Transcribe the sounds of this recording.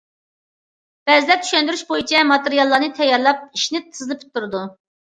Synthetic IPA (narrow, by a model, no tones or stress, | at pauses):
b̥ɛzlɛt̪ʰy̥ʃɛnd̪yɾyʃbojit͡ʃʰɛmɑt̪eɾijɑlˠːɑnɨt̪ʰɛjːɑɾlˠɑp̚iʃnɪt̪ʰɨzlˠɨpʰi̥t̪ʰːuɾɨd̪u